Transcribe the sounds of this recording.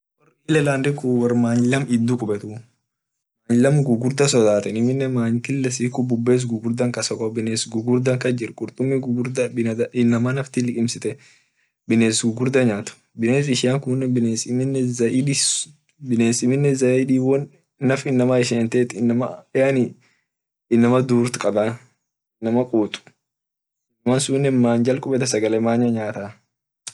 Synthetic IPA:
wɐriːlɛlaːnd̪ɪkuwɐrmaːnlɐmɪd̪ːukʼʊbɛt̪ʊ | maːnlɐmɡʊɡʊɾd̪ɐsɔd̪aːt̪ɛnɪmɪnːɛmaːŋkɪlːɛsiːkʊbʊbːeːs̬ɡʊɡʊɾd̪ɐŋkɐsɐkʼobɪneːsɡʊɡʊɾd̪ɐŋkɐd͡ʒɪɾkʼʊɾt̪ʼʊmːɪɡʊɡʊɾd̪ɐbɪd̪ɪnːɐmanɐft̪ɪlɪkʼɪmsɪt̪ɛ | bɪneːsɡʊɡʊɾd̪ɐɲaːt̪ʊ̥ | bɪneːs̬ɪʃɪjaŋkunːɛbɪneːsɪmɪnːɛɐdɪ | bɪneːsɪmɪnːɛzɐid̪iːwɔnː | ɐfɪnːɐmaɪʃeːnt̪eːt̪nːɐmɐanɪ | ɪnːɐmɐd̪uːɾt̪kʼɐbɐ | ɪnːɐmɐkʼuːt̪ʼʊ̥ | ɪnːɐmɐnsunːɛmaːnd͡ʒɐlkʼʊbɛt̪ɐsɐɡɐlɛmaːɲːɐɲaːt̪a

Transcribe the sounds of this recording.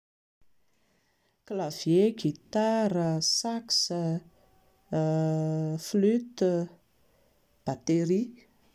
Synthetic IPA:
klavjeɡit̪aɾəsaksə | flyt̪ | b̥at̪eɾi

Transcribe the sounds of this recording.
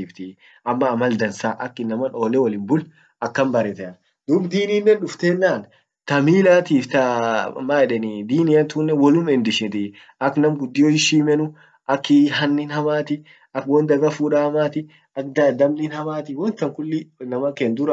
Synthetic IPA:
iːft̪ɪ | ɐmːɐːmɐld̪ɐnsaːʔɐkːɪnɐmɐno̞ːlɛwɐlɪnbʊl | ɐkːɐmbɐɾɛt̪ɛn | d̪̥ubd̪iːniːnːɛnᶑʊft̪eːnːaːn | t̪ɐmiːlaːt̪iːft̪ɐmaɛᶑɛnɪd̪iːnɪjɐnt̪uːnːɛwɔlʊmɛnd̪ɪʃɛt̪ɪ | ɐkːnɐmɡʊd̪ːɪjoɪʃiːmɛnʊ | ʔɐkːɪɦɐnːɪnhɐmaːt̪ɪ | ɐkwɔnd̪ɐɡɐfuːᶑaːmaːt̪ɪ | ɐkd̪ɐd̪ɐmnɪnhɐmaːt̪ɪwɔnt̪ɐŋkʊlːɪnɐmɐkeːnd̪ʊɾɐ

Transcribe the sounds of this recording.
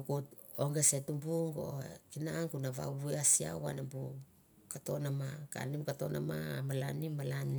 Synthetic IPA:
kut | oŋɡesetumbuŋɡo̰kinaŋkunaβa̰bueasia̰wa̰nambu | kato̞namaka̰nimkato̞na̰mamalanimalani

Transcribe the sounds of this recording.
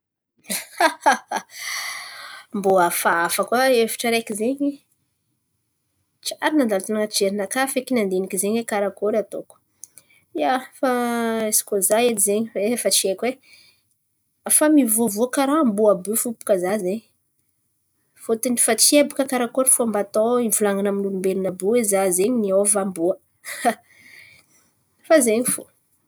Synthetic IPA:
mboafaafəkwaefi̥ʈ͡ʂaɾekizeɲi | t͡ʃaɾinand̪alt̪unaŋəʈ͡ʂeɾinakafekinand̪enikizeɲwekaɾakoɾat̪o̰ku̥ | jafaesi̥kozaed̪izeɲiefat͡ʃiekwe | afamivovoakaɾaambuabufupu̥kəzazeɲ | fot̪inifat͡siebukəkaɾakoɾfoambat̪oimvulaŋanaminulumbelunabuezazeɲiniavambuə | fazeɲifo̰

